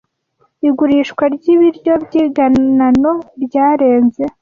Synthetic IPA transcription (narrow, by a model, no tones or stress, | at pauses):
iɡuɾiːʃkwaɾɟiβiɾjo̞bɟiːɡanano̞ɾɟaːɾe̞ːnze̞